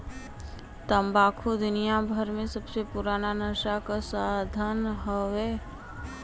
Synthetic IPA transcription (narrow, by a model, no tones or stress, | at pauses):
t̪əmbaːkʰud̪ʊnijabʱəɾmẽsəbsepʊɾaːnanəʃakasad̪ʱənɦɔʋeː